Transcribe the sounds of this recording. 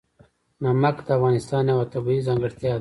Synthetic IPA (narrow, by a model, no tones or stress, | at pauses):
namakd̪əafɣɑːnɪst̪ɑːnjawat̪abuizɑ̃ŋɡəʂt̪jɑd̪